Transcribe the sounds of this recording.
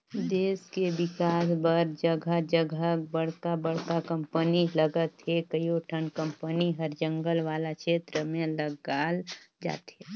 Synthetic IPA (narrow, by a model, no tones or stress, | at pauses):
d̪eːskeʋɪkaːsbəɾd͡ʒəɡʱad͡ʒəɡʱək̚bəɽ̤kabəɽ̤kakə̃mpəniləɡət̪ɦekəjoʈʰənkə̃mpəniɦəɾd͡ʒə̃ŋɡəlʋaːlakʃeːt̪ɾəmẽləɡaːld͡ʒa̰ːt̪ɦeː